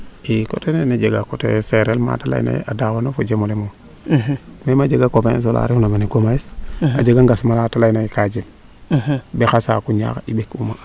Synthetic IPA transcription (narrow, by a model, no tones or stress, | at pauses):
iko̰tenened͡ʒeɡakotḛseɾelma̰tala̰jḭna̰ʔadawanofod͡ʒemolemo | memad͡ʒeɡakopes̬ola̰ɾifnamaneɡomajisa̰d͡ʒeɡaŋɡasmalatalajnajikad͡ʒim | bexasa̰kuɲa̰kḭbekuma